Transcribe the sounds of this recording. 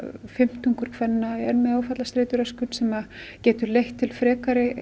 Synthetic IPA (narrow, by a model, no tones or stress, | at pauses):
fɪm̥t̪uŋkʏɾ̥kʰvɛnːaɛnmɛaːwfat̪last̪ɾejt̪ʏɾɛskʏnsɛmacɛːt̪ʏlejht̪ʰːɪlfɾɛːkaɾɪ